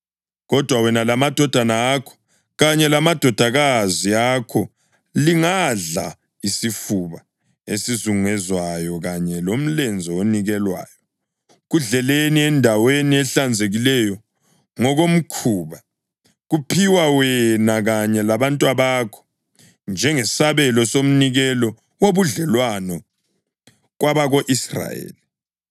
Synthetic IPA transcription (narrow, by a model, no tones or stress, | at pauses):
ɣɔd̥ʱwawɛnalamad̥ʱɔd̥ʱanaːkʰɔ̥ | ɣaɲɛlamad̥ʱɔd̥ʱaɣaziakʰɔ | liŋaɮa̰ | isifuβa | esizuŋɛzwajɔɣaɲɛlom̩lɛnd͡zʱɔoniɣɛlwa̰ːjɔ | ɣuɮɛleniɛndʱaweniɛɬand͡zʱeɣilɛjɔ | ŋɔɣom̩kʰuːβa | ɣupʰiwawɛnaɣaɲɛlaβantʼwaβakʰɔ̥ | nd͡ʒʱɛŋɛsaβɛlɔsom̩niɣɛlɔ | woβuɮɛlwanɔ | ɣwaβaɣoʔisra̰jḛːli